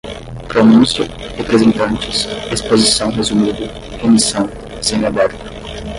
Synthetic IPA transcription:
pɾonũsjʊ | hepɾezẽnt̪ɐ̃nt͡ʃɪ̥sespozisɐ̃w̃ɦezumid̪ʊ | hemisɐ̃w̃ | zẽnabɛɾt̪ɐ̥

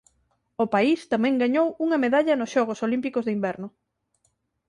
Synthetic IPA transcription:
ʊpaist̪amɛ̃ŋɡaɲowuŋɐmeðaʎɐnʊsʃɔɣ̞osolimpikozðimbɛɾnʊ

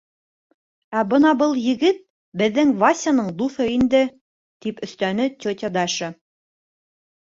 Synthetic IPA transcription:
æbɤnɑbɤlˠjɘ̆ɡɘt̪̚ | bɘ̆ðːɘŋvasʲanɤɴd̪uθɤind̪ɘ | t̪ipɵ̆θt̪ænɘt̪ʲot̪ʲed̪ɑʃɤ

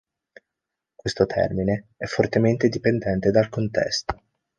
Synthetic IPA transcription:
kwest̪ot̪ʰɛ̰rmineɛfːort̪ement̪ed̪ipend̪ɛnt̪ed̪alkont̪ɛ̰st̪o̥

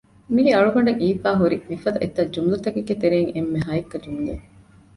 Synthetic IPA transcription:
miɡeɐɭukɐɳɖeŋiːfaːɦuɾimifɐd̪ɐʔet̪ːɐd͡ʒumlut̪ɐkeɡːet̪eɾeːŋemːeɦaːikːɐd͡ʒumule

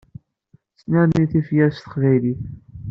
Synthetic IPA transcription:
snæɾniθifjæɾst̪əqvæjliθ

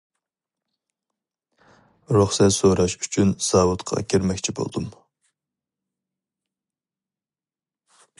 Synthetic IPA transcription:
ɾuχsɛt̪soɾɑʃyt͡ʃʰynsɑːwut̪qʰɑ̰kʲʰeɾmɛkʲt͡ʃʰibo̰lˠd̪um

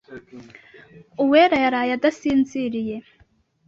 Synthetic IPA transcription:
ʊwɛːɾɐjɐɾaːjɐd̪ɐsiːnt͡siːɾɪjɛ

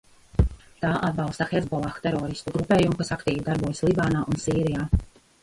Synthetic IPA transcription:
t̪aːʔad̪̚bɑlˠst̪axezbɔlˠaxt̪ɛɾɔːɾist̪uɡɾupeːjumukasakt̪iːvid̪aɾbuɔjsʲlˠibaːnaːʔunsiːɾijaː

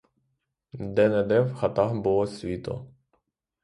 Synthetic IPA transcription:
d̪ɛnɛd̪ɛwxɐt̪ɑɦbulˠɔsʲʋʲit̪ɔ̰

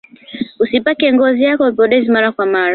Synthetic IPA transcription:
usipakɛŋɡɔzijakɔpɔɗɛzimaɾakwamaɾ

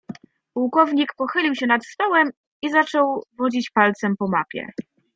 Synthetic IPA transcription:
puwkɔvɲikpɔxɘlʲiwɕɛnat̪st̪ɔwɛm | izat͡ʂɔwvɔd͡ʑit͡ɕpalt̪sɛmpɔmapʲjɛ̰

